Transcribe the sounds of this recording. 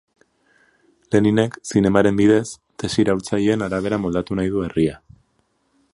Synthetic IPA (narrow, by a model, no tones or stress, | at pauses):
le̞nine̞ksine̞maɾe̞mbiðe̞s | t̪e̞siɾawɾt͡sajeːnaɾaβ̞e̞ɾamo̞ld̪at̪unajð̞ue̞ria